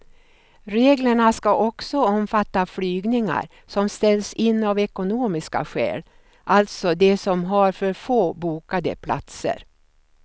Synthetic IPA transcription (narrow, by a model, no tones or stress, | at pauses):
ɾeːɡləɳaskaʔɔksɔɔmfat̪ːaflyːɡnɪŋa̰ɾ | sɔmst̪ɛlːsɪnːavɛkʊnoːmɪska̰ɧɛ̰ːl | ʔalt̪sɔd̪ɛsɔmɦaɾfœɾfoːbuːkad̪ə̰pʰla̰t̪sə̰ɾ